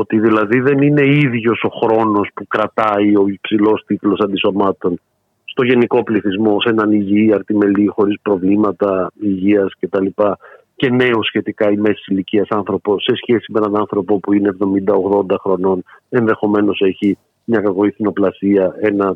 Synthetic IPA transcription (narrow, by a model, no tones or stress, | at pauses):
ot̪iðilɐðiðe̞nine̞iðʝo̞so̞xɾo̞no̞spukɾɐt̪ɐio̞ipsilo̞st̪it̪lo̞sɐnd̪iso̞mɐt̪o̞n | st̪o̞ʝe̞niko̞pliθizmo̞se̞nɐniʝiɐɾt̪ime̞lixo̞ɾispɾo̞vlimɐt̪ɐiʝiɐsce̞t̪ɐlipɐ | ce̞ne̞osçe̞t̪ikɐime̞si̥siliciɐsɐnθɾo̞po̞se̞sçe̞simeenɐnɐnθɾo̞po̞puineevðo̞mind̪ɐoɣðo̞nd̪ɐxɾo̞no̞ne̞nðe̞xo̞me̞no̞se̞çi | mɲɐkɐko̞iθino̞plɐsiɐe̞nɐ